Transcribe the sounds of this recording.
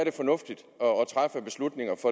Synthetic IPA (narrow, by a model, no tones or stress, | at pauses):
æɐɾe̝fɒ̽nɔ̽fd̥id̥ | ɒɒt͡sʰʁafəb̥e̝slud̥ne̝ŋɐfɒ